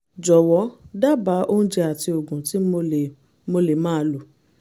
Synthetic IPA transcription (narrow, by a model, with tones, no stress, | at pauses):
d͡ʒɔ˨wɔ˨˦da˦ba˨˦ʔo˦n̩˦d͡ʒɛ˧a˨ti˧o˨ɡũ˨ti˨˦˧ | mo˧le˨mãː˦˧˦lu˨